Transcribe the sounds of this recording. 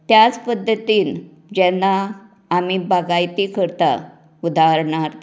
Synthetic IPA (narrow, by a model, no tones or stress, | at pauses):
t̪jat͡spəd̪ːət̪iːn | d͡ʑɛnːaː | m̤ibaɡajt̪ikʰəɾt̪a̰ | ud̪ʱaɾɳaɾ